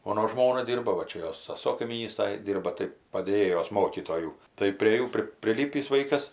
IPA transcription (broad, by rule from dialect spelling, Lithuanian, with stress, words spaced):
ˈmoːnoː ˈʒmoːnɐ ˈdʲiːrbɐ ʋɐ ˈt͡ʃʲɛ ˈjoːs sɐˈsoː kɐɪmʲiːˈnʲiːstoːj ˈdʲiːrbɐ tɐɪ pɐdʲeːˈjeːjoːs ˈmoːkʲiːtoːjuː tɐɪ pʲrʲeː ˈjuː pʲrʲɪ pʲrʲɪˈlʲiːpʲiːs ˈʋɐɪkɐs